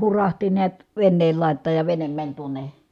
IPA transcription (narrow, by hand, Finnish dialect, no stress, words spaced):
hurɑhti niæt ʋenːeːl lɑˑi̯tˑɑːj jɑ ʋenem mænʲ tuone